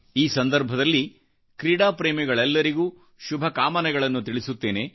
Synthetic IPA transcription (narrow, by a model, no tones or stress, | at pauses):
iːsɐnd̪ɐɾbʱɐd̪ɐlːi | kɾiːɽaːpɾeːmɛɡɐɭɛlːɐɾiɡuː | ʃubʱɐkaːmɐnɐɡɐɭɐnːut̪iɭisut̪ːe̞ːne̞